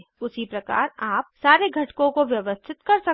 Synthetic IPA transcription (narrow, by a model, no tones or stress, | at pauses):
ʊsipɾɐka̰ːɾaːpsaːɾeɡʱɐʈkõkoʋjɐʋəst̪ʰɪt̪kɐɾsɐ